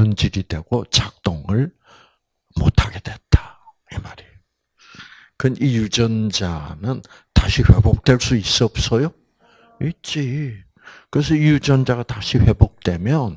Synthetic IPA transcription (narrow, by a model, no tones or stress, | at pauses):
ʌnd͡ʑiɾidwe̞ɡ̥ot͡ɕak̚t͈oŋɯɭ | mo̰tʰaɡe̞dwet͈ḁ | imaɾi | kɯnijud͡ʑʌnd͡ʑa̰nɯn | taɕʰiɸe̞bok̚t͈we̞ɭs͈uis͈ʌp̚s͈ʌjo | it͡ɕ͈i | kɯɾes̬ʰʌijud͡ʑʌnd͡ʑaɣataɕʰiɸwe̞bok̚t͈we̞mjʌn